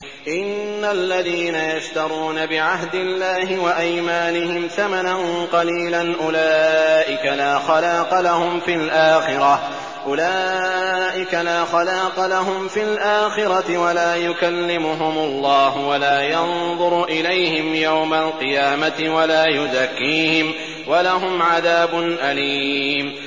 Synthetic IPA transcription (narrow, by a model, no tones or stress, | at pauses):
ʔɪnːalːaðiːnajaʃt̪ɑɾˤuːnabɪʕaɦd̪ɪlːaːhɪwaʔajmaːnɪhɪmθamananqɑliːlanʔʊlaːʔɪkalaːxɑlɑːqɑlahʊmfilʔaːxɪɾˤɑ | ʔʊlaːʔɪkalaːxɑlɑːqɑlaɦʊmfɪlʔaːxɪɾˤɑt̪ɪwalaːjʊkalːɪmʊɦʊmʊlˤːɑːɦʊwalaːjɑnðˤʊɾʔɪlajhɪmjawmalqɨjaːmat̪ɪwalaːjʊðakːiːhɪm | walaɦʊmʕaðaːbʊnʔaliːm